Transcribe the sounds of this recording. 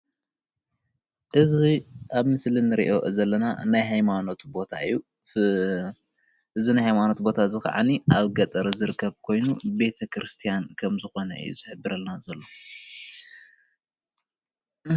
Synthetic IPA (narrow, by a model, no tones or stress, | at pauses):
ʔɨziʔaβmɨslinɨɾḭʔo̞ʔzɐlːɐna̰najɦajmano̞t̪ʰbo̞t̪ʰa̰ɨjːu | ʔɨzinajhajmano̞t̪bo̞t̪ʰazɨkɐ̰ʕa̰niʔaβɡɐt̪ʼɐɾɐzɨɾɨkʰːɐβkʰo̞jnube̞t̪ʰɐkʰɾɨst̪ʰijankʰɐmzɨxo̞nɐ̰ɨ̰jːuzɨħɨbːɨɾɐlɐnazɐlːo